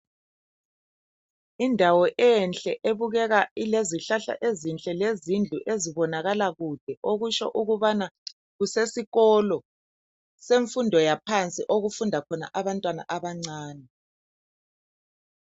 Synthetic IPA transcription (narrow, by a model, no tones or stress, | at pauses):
indʱawɔʔɛnt͡ɬʼɛʔeβuɣɛɣaileziɬaɬa̰ʔezint͡ɬʼɛlezind͡ɮʱuʔeziβɔnaɣalaɣud̥ʱɛʔoɣut͡ʃɔ̰ʔuɣuβana | ɣusesiɣɔlɔ | seɱfundʱɔjapʰant͡sʼiʔoɣufundʱakʰɔna̰ʔaβantʼwana̰ʔaβaŋ͡ǀaːnɛ